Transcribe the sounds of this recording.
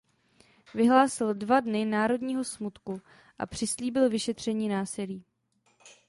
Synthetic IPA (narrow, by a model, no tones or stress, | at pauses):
vɪɦlaːsɪldvadnɪnaːɾo̞dɲiːɦo̞smut̪ku | ʔa̰pr̝̥ɪsliːbɪlvɪʃɛt̪r̝̥ɛɲiːnaːsɪliː